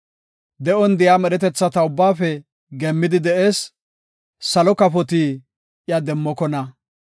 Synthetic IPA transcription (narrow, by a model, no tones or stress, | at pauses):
d̪ɛʔɔnd̪ɪjaːmɛɾɛt̪ɛt͡sːɐt̪ɐʊbːaːfɛ | ɡɛmːɪd̪ɪd̪ɛʔeːs | sɐlɔkɐfɔt̪iː | ɪjad̪ɛmːɔkɔnɐ